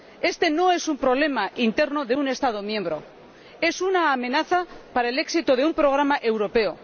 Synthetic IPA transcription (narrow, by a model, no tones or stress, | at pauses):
e̞st̪e̞no̞e̞sumpɾo̞β̞le̞maint̪e̞ɾnoðe̞une̞st̪að̞o̞mjẽ̞mbɾo̞ | e̞sunaːmẽ̞naθapaɾaele̞ksit̪oð̞e̞umpɾo̞ɣ̞ɾamaʔe̞wɾo̞pe̞o